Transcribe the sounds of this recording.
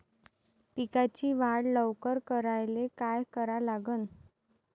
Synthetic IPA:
pikat͡ɕiːʋaɽləʋkəɾkəɾajlekajkəɾalaɡən

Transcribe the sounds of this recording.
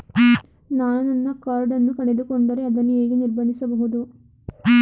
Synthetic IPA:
naːnɐnɐnːɐkɐɾɖɐnːukɐɳed̪ukoɳɖɐɾe̞ɐd̪ɐnːueːɡeniɾbɐnd̪isɐbɐɦud̪u

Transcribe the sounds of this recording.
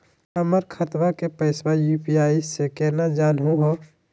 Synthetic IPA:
əməɾkʰət̪ʋakepəɪswajuːpiaːisekɛːnad͡ʒaːnɦũɦoː

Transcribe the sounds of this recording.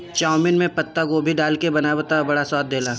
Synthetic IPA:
t͡ʃaːʊmɪnmẽpɐt̪ːaɡoːbʱiɖaːlkebɐnabət̪abɐɽasɔːt̪̚d̪eːlaː

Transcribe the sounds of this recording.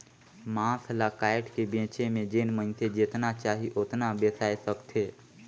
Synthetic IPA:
mãːslakaːɪʈkebẽːt͡ʃemẽd͡ʒeːnmə̃nsed͡ʒet̪nat͡ʃaːɦiʔot̪nabeːsaːesəkt̪ʰeː

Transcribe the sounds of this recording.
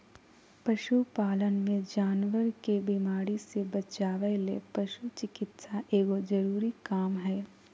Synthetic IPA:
pɐʃupaːlənmẽd͡ʒaːnʋəɾkebimaːɾisebɐt͡ʃaːʋelḛpɐʃut͡ʃɪkɪt̪saʔeːɡod͡ʒɐɾuːɾikaːmɦɛː

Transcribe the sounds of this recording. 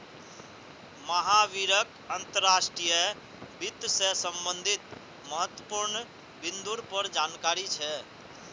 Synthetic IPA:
məɦaʋiɾək | ənt̪əɾːasʈɾijə | bit̪sesəmbənd̪ʱit̪ | məɦət̪ːwəpuɾn | bind̪uɾpəɾd͡ʒankaɾit͡ʃʰɛ

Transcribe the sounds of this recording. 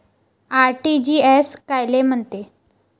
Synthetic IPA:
aɾʈid͡ʑiːeskajlem̤əɳt̪e

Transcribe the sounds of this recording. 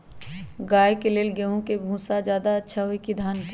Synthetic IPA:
ɡaːjkeleːlɡeɦũkebʱũːsad͡ʒjaːd̪aɐtːʃʰaɦoikid̪ʱaːn

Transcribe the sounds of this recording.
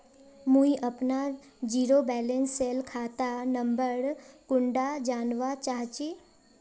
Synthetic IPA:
mũɦĩʔəpna | d͡ʒiːɾobɛːlẽnsːeːlkʰaːt̪anə̃mbəɾkʊ̃ɳɖad͡ʒaːnʋat͡ʃaːɦt͡ʃeː

